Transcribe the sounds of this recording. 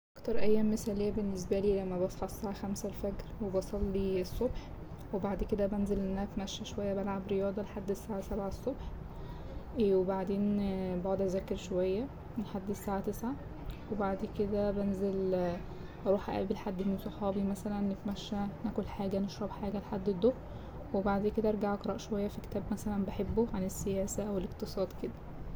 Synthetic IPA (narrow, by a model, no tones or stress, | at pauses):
ʔækt̪ɑɾˤʔæjːæːmːesæːlejːæbenːes̬bæliːlæmːæbɑsˤfɑʕsːaːʕaxæmsælfæɡɾwebɑsˤɑlːiesˤːobħ | webaʕd̪ked̪æbænzelʔenːænæt̪mæʃːæʃowæjːæbælʕabɾejɑːd̪ˤɑleħad̪ːesːaːʕasæbʕaesˤːobħ | webaʕd̪eːnbɑʕod̪ʔæzækːeɾʃowæjːæ | elħad̪ːisːaːʕat̪esʕa | webaʕd̪ked̪æbænzel | ʔɑɾˤuːħʔæ̰ʔæ̰ːbelħad̪ːmensˤɑħɑːbimæsælænːet̪mæʃːænækolħaːɡæneʃɾˤɑbħaːɡæleħad̪ːed̪o | webaʕd̪eːked̪æʔɑɾɡaʕʔɑkɾˤɑʔʃowæjːæfiket̪æːbmæsælænbeħebːoʕanesːejæːsæʔæwelekt̪esˤɑːd̪ked̪æ